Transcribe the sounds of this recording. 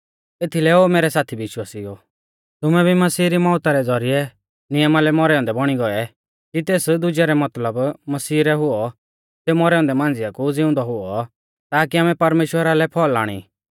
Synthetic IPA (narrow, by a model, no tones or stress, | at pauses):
eːt̪ʰilɛoːmeːɾɛsaːt̪ʰibɪʃwaːsiɔ | t̪ʊmɛbʱimɐsiːɾimɔ̃ːʊt̪aɾɛd͡zɔɾiɛ | nɪjəmalɛmɔɾɛɔ̃nd̪ɛbɔɽ̃iɡɔɛ | kit̪eːsd̪ʊd͡ʒɛɾɛmɐt̪ləbmɐsiːɾɛɦʊɔ | seːumɔɾɛɔ̃nd̪ɛmãːn̆d͡zɪjakud͡zɪʊ̃nd̪ɔɦʊɔ | t̪aːkiaːmɛ̃pɐɾmeːʃwəɾalɛpʰɔːlːa̰ːɽ̃ḭ